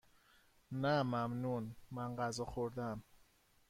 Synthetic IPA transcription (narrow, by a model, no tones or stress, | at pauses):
næmæmnunmænɢæzɒxoɾd̪æm